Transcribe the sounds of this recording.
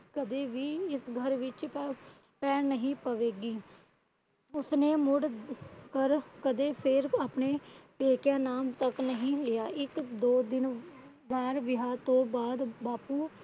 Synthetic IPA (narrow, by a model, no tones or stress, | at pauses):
kəd̪eːʋiːɪsɡʱəɾʋɪt͡ʃ | pɛːɾnəɦĩːpəʋeːɡiː | ʊsneːmʊɽkəɾkəd̪eːpʰɪɾaːpneːpeːkjaːnaːmt̪əknəɦĩːlɪjaːʔɪkd̪oːd̪ɪn | bɛːɾʋɪɦaːɾt̪õːbaːd̪baːpuː